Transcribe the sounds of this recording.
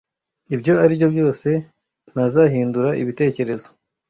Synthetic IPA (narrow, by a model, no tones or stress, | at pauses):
ibɟo̞aɾibjo̞bɟo̞ːse̞ | n̥azaɦiːnduɾaʔiβite̞ːce̞ɾe̞zo̞̥